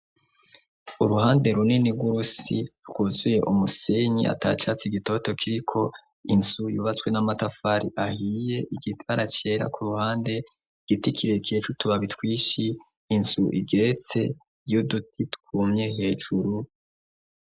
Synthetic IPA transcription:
uɾuhaːnde̞ɾuniniɡuɾusiɾukuzuje̞ʔumuseɲḭʔa̰ta̰ːt͡ʃat͡siɡito̞to̞kʰiɾikʰo̞ | inz̥ujuːβat͡swe̞namatafaɾḭʔahije̞ʔiɡitwaɾat͡ʃe̞ːɾa̰kuɾuhaːnde̞ | ɡ̥itikʰiɾekijet͡ʃutuβaβitwiːʃiː | nz̥uʔiɡe̞ɾet͡se̞ | judutʰitkumɲe̞he̞ːʒ̥uɾu

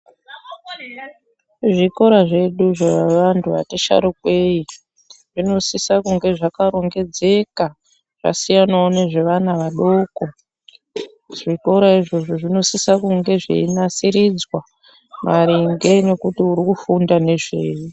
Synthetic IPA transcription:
ʐiko̞ɾaʐe̞ɗuʐeaʋantʰuʋa̰teʃa̰ɾuk̚we̞i | ʐino̞sisakuŋɡe̞ʐakaɾo̞ŋɡe̞d͡ze̞ka | ʐ̥a̰sijanaoneʐe̞ʋanaʋaɗo̞ko̞ | ʐ̥iko̞ɾaiʐo̞ʐo̞ʐino̞sisakuŋɡe̞ʐḛinasiɾid͡zwa | maɾiŋɡe̞ne̞kutiuɾikufundane̞ʐḛːju

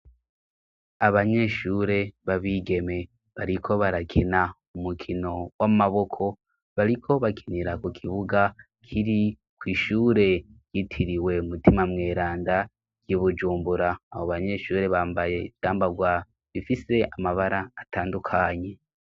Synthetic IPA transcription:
aβaɲe̞ʃuːɾe̞βaβiːɡe̞me̞ | βaɾikʰo̞βaɾakʰena | umukʰino̞wamaβo̞kʰo̞ | βaɾikʰo̞βakʰiniɾakukʰiβuɡa | kʰiɾi | kwiːʃuːɾe̞j̥itʰiɾiwe̞umutimamŋe̞ːɾaːnda | ɡ̥jiβud͡ʒuːmbuɾaːβoβaɲe̞ʃuːɾe̞βaːmbajedaːmbaɡwa | βifise̞amaβaɾaːtaːndukʰaɲe̞

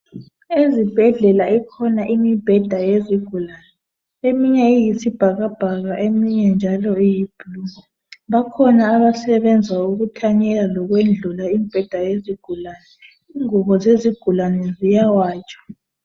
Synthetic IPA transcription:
ezib̥ʱɛɮɛlaikʰɔnaʔimib̥ʱɛd̥ʱajeziɡ̥ʱulaːnɛ | emiɲɛijisib̥ʱaɣab̥ʱaɣaʔemiɲɛnd͡ʒʱalɔijib̥ʱuluŋa | βakʰɔnaːβasɛβɛnd͡zʱauɣutʰaɲɛlalɔɣwend͡ɮʱulaimib̥ʱɛd̥ʱajeziɡ̥ʱulaːnɛ | iŋuɣɔzeziɡ̥ʱulanɛzijawaːt͡ʃʼḁ

